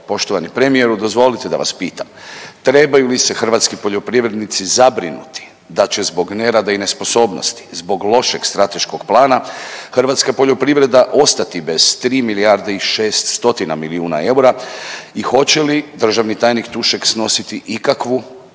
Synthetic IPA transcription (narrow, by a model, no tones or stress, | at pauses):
po̞ʃt̪oʋanipɾe̞mije̞ɾud̪o̞zʋo̞lit̪e̞d̪a̰ʋa̰spiːt̪amt̪ɾe̞bajulise̞xr̩ʋat̪skipo̞ʎo̞pɾiʋɾe̞d̪nit̪sizabɾḭnṵt̪i̥ | d̪at͡ɕe̞zbo̞ɡne̞ɾad̪aine̞spo̞so̞ːbno̞̰st̪i̥zbo̞ɡlˠo̞ʃeɡ̥st̪ɾat̪e̞ʃko̞ɡplˠaːnaxr̩ʋat̪skapo̞ʎo̞pɾiʋɾe̞d̪aʔo̞st̪at̪ibe̞z̥t̪ɾiːmiliaɾd̪eiʃe̞ːst̪st̪o̞t̪ina̰miliuːna̰e̞uɾaixo̞t͡ɕe̞lid̪r̩ʒaʋnit̪aːjnikt̪uʃeksno̞sit̪iʔikakʋu